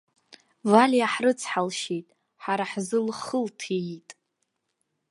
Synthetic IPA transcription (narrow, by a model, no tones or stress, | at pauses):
valʲjaħrɨt͡sʰħalʃejtʼ | ħaɾaħzɨlχəltʰitʼ